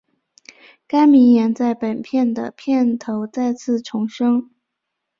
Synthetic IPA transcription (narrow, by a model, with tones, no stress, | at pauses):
ka˥ɪmi˧˥ŋjɛ˧˥nt͡sa˥˩ɪpə˨˩npʰjɛ˥˩nd̪ə̰˩pʰjɛ˥˩nt̪ʰo˧˥ʊt͡sa˥˧ɪt͡sʰɹ̩˥˩ʈ͡ʂʰʊ˧˥ŋʂɤ˥ŋ